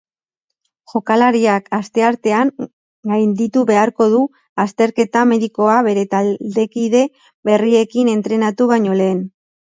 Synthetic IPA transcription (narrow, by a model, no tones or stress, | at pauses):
ʝo̞kalaɾiakast̪e̞aɾt̪e̞aŋ | ɡajnd̪it̪uβe̞aɾko̞ðu | ast̪e̞ɾke̞t̪ame̞ðiko̞aβe̞ɾe̞t̪ald̪e̞kiðe̞ | βe̞rie̞kine̞nt̪ɾe̞nat̪uβ̞ajɲo̞le̞ːn